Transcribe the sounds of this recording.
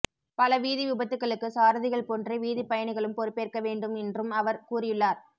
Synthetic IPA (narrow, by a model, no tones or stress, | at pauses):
pɐlɐʋiːðiʋɪbɐt̪ːɯkːɐɭɯkːɯsaːɾɯðɪɣɐɭpoːndriʋiːðɪpɐjɐɳɪɣɐɭɯmpɔɾɯpːeːrkɐʋeːɳɖɯmɛndrɯmɐʋɐɾkuːrɪjɯɭːaːɾ